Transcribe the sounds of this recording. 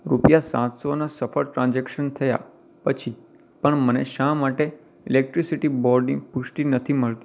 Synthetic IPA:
ɾupjasã̰t̪sonasəfəɭʈɾãnd͡ʒekʃənt̪ʰəja̰ | pət͡ʃʰi | pəɳməneʃamaʈe | ilek̚ʈɾisiʈibɔɾɖnĩpʊʃʈinət̪ʰiməɭt̪i

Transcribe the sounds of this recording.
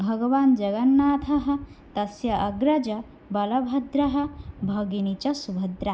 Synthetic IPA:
bʱɐɡɐʋaːnd͡ʒɐɡɐnːaːt̪ʰɐɦɐ̆ | t̪ɐsjɐʔɐɡɾɐd͡ʒɐ | bɐlɐbʱɐd̪ɾɐɦɐ̆bʱɐɡinit͡ʃɐsubʱɐd̪ɾɐ

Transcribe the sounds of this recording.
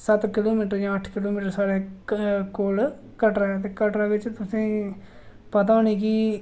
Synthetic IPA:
sət̪kɪloːmiːʈəɾd͡ʒãːəʈʰkɪloːmiːʈəɾsaːɾeːkoːl | kəʈɾaːt̪eːkəʈɾaːʋɪt͡ʃt̪ʊsẽː | pət̪aːniːkiː

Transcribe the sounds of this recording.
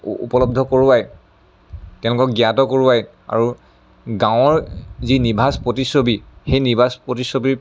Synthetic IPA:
ṵpɔlɔb̚dʱɔkoɹuwaj | tɛʊ̃lʊkɔk̚ɡijatɔkoɹuwaj | a̰ɹu | ɡãw̃ɔɹzinibʱaspɹotisobixejnibʱaspɹotisobiɹ

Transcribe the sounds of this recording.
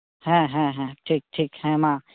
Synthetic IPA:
ɦɛ̃ɦɛ̃ɦɛ̃ʈʰiːk̚ʈʰiːkhɛ̃mãː

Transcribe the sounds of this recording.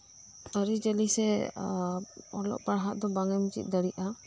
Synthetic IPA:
əɾid͡ʒəlisɛ | ɔ̰lɔ̰ʔ̚paɽɦat̪̚d̪ɔbaŋɛmut͡ʃḭt̪̚d̪əɽiʔʔa

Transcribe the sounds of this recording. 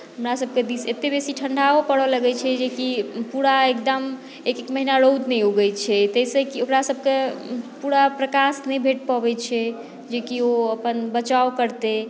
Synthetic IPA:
ɦəmɾasəb̚ʱked̪iset̪ːebesiʈʰəɳɖʱaopəɽɔləɡɛt͡ʃʰɛd͡ʒekipuɾaekd̪əm | ekekməɦinaɾowd̪nɛjoɡɛjt͡ʃʰɛt̪əisəkiokɾasəbʱkepuɾapɾəkasnɛjbʱeʈ̚pabɛt͡ʃʰɛ | d͡ʒekioəpənbət͡ʃaokəɾt̪e

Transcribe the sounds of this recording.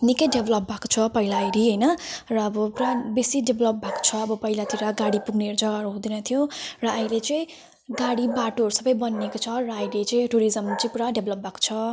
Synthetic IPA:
nikʌjɖebʱlʌp̚bʱako̥t͡sʰʌpʌɦilaːjɾiɦʌjnʌrʌːbʌpuɾabesiɖebʱlʌp̚bʱako̥t͡sʰʌːbʌpʌɦilat̪iɾaɡaɽipuɡneɾd͡zʌɡaɾuɦũd̪inʌt̪ʰjõrʌːjlet͡sʌĩ | ɡaɽibaʈoʌɾusʌbʌjbʌnːekot͡sʰʌrʌːjlet͡sʌĩʈuɾizʌmt͡sʌj̃puɽaɖebʱlʌp̚bʱako̥t͡sʰʌ

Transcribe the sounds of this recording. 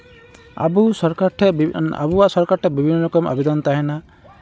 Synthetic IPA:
a̰busɔɾkaʈʰɛa̰buwaʔsɔɾkaɾʈʰɛbibʱinːɔɾɔkɔmʔa̰bɛd̪ɔnt̪aɦɛna

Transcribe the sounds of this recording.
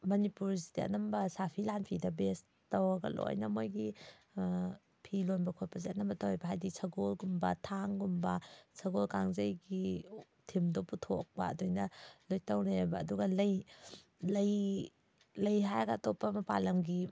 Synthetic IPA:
mɐnipuɾzitea̰ʔnɐmbɐsapʰilanpʰidɐbes | tɐwɐɡɐ̰lo̰jnɐmojɡi | pʰilonbɐkʰojpɐzianɐmbɐtawajbɐɦajdisʰɐɡolɡumbɐtʰaŋɡumbɐsʰɐɡolkaŋzɐjɡi | tʰimdoputʰo̰k̚bɐ̰ːdojnɐlojtɐwnebɐːduɡɐlɐj | lɐj | lɐjɦajɡɐːtɔpːɐmɐpa̰lɐmɡi

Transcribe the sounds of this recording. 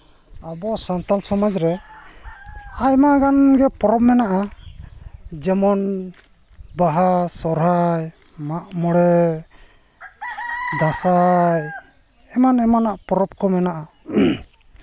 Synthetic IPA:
abɔsant̪alsɔmad͡ʒɾɛ | ajmaʔɡanɡɛpɔɾɔp̚mɛnaʔa | d͡ʒɛmɔn | baɦasɔɾaj | maʔmɔɽɛ | d̪asaj | ɛmanɛmanaʔpɔɾɔb̚kɔmɛnaʔa

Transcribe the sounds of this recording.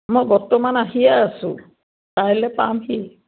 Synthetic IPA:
mɔjbɔtːɔmanaɦijaːsʊ̰̃ | taɹilɛpamɦi

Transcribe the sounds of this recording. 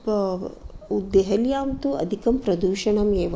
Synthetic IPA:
p | ud̪eɦɐljaːmt̪uɐ̰d̪ʱikɐmpɾɐd̪uːʃɐɳɐmeːʋ

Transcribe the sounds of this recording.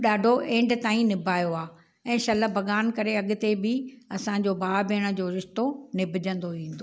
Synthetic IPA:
ɗaːɖʱoʔẽːɳɖt̪aːĩnɪbʱaːjoaː | ɛ̃ːʃɐlə̆bʱɐɠaːnkɐɾeɐɠʊ̆t̪ebɪɐsãd͡ʑoːbaːbʱeːɽ̃ə̆d͡ʑoːɾɪʃt̪onɪbʱɪd͡ʑə̃nd̪oʋĩːn̆d̪oː

